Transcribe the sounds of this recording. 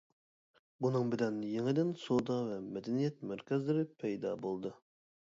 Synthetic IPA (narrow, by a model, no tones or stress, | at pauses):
bunɨŋbɪlɛnjeŋɪd̪ɪnsod̪ɑvɛmɛd̪ɛnijɛt̪̚mæɾkʲʰɛzlɪɾɪpʰɛjd̪ɑ̰bolˠd̪ɨ